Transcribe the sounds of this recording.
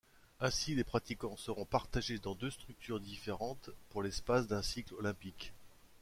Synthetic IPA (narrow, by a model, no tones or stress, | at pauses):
ɛ̃silepχat̪ikɑ̃səʁɔ̃paʁt̪aʒed̪ɑ̃d̪øst̪χyk̚t̪yʁd̪ifeʁɑ̃t̪puʁlɛspasd̪ɛ̃siklɔlɛ̃pik